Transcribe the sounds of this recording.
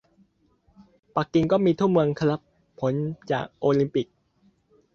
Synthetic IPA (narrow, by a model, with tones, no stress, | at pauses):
pa˨˩kːi˧ŋkɔː˥˩miː˧t̪ʰu˥˩mɯ˧əŋkʰa˧la˦˥pʰː | o˩˦nt͡ɕa̰ː˨˩k̚ʔoː˧li˧˦mpi˨˩k̚